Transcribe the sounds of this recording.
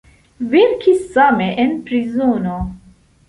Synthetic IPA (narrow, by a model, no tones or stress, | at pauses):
veɾkʰisːaːmeʔenpɾizoːno